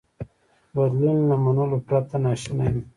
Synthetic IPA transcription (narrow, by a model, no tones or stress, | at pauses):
bad̪lunlamanulopɾat̪anɑʃinajm